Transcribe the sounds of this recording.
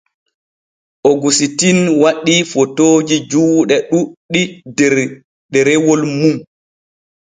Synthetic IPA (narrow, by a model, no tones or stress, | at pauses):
ʔɔɡusitinwaɗːifɔtoːd͡ʒid͡ʒuːɗɛɗuɗːi | dɛɾɛwɔlmum